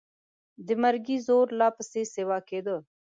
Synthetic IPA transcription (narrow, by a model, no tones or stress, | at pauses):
d̪ɪməɾɡiːzoːɾlaːpəseːseːʋaːkeːd̪ə